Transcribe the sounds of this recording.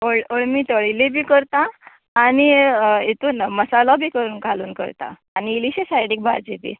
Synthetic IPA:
oɭoɭmiːt̪ɔɭilibʱiːkəɾt̪aː | ñiet̪uːnməsalɔbʱiːkəɾuːnkaluːnkə̰ɾt̪a̰ːñiːliɕesajɽik̚bʱa̰ɾd͡ʑebḭː

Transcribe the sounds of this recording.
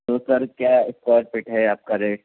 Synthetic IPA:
t̪oːsəɾkjaɪskaːɾʈ̚peʈɦɛaːp̚kaɾeː

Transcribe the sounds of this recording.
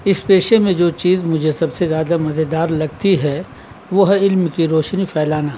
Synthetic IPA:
ɪspeːʃemẽd͡ʒoːt͡ʃiːzmʊd͡ʒʱesɐbsezjaːd̪amɐzed̪aːɾlɐɡt̪iɦɛ | ʋoɦɪlmkiɾoːʃnipʰɛːlaːna

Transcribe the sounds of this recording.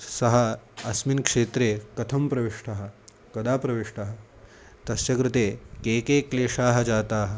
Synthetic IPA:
sɐɦɐɐsminkʂeːt̪ɾeːkɐt̪ʰɐmpɾɐʋiʂʈʰɐɦɐ̆ | kɐd̪aːpɾɐʋiʂʈɐɦɐ̆ | t̪ɐsjɐkɾɪt̪eːkeːkeːkleːʂaːɦɐ̆d͡ʒaːt̪aːɦɐ̆

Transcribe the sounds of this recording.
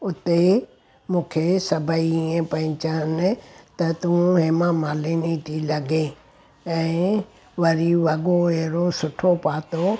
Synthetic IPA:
ʊt̪e | mũːkʰesɐbʱəiẽpɐ̃ɦɪ̃t͡ɕənɪt̪ɐt̪ũɦemãmaːlinit̪ʰilɐɡe | ɛ̃ː | ʋɐɾiʋɐɠoeɾosʊʈʰopaːt̪o

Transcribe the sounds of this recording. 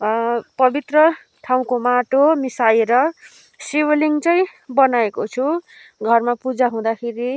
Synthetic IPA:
pʌbit̪rʌ | ʈʰaw̃komaʈomisajeɾʌ | siwliŋt͡sʌĩbʌnaekot͡sʰu | ɡʱʌrmapud͡zaɦũd̪akʰeɾi

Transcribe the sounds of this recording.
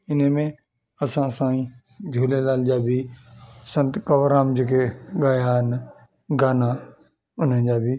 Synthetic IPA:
ɪnəmẽ | ɐsãsãːĩ | d͡ʑʱoːlelaːld͡ʑaːbʱisɐ̃nt̪kɐʋɾaːmd͡ʑeːkeɠɐjaɦɪn | ɡaːna | ʊn̤ənd͡ʑaːbʱi

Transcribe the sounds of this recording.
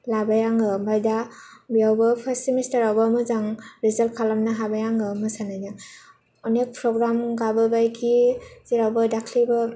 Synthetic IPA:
labajaŋɯbʱajda | bijawbɐpʰasimistaɾawbamɯzaŋɾizal̚kʰalamnɯɦabajaŋɯmɯsanazaŋ | ɔnek̚pʰɾɔɡɾamɡabɯbajkʰiz̥iɾawbɯdakʰlibɯ

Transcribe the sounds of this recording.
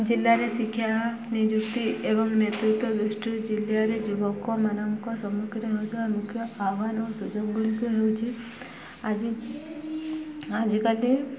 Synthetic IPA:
d͡ʒilːaɾesikʰja | nid͡ʒukt̪iʔebɔŋnet̪ɾut̪wɔd̪ɾuʃʈud͡ʒiljaɾed͡ʒubɔkːɔmanamkɔsɔmuɡɾəɦewt̪amukʰːjɔaʋanosud͡ʒoɡɡuɭikuɦewt͡ʃʰi | ad͡ʒi | ad͡ʒikali

